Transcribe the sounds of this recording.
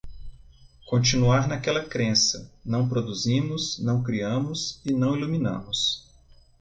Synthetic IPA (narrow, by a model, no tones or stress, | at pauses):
kõnt͡ʃĩnuaɾnakɛlɐkɾẽsɐnɐ̃w̃pɾod̪uzĩmʊsnɐ̃w̃kɾiɐ̃mʊsɪnɐ̃w̃iluminɐ̰̃mʊs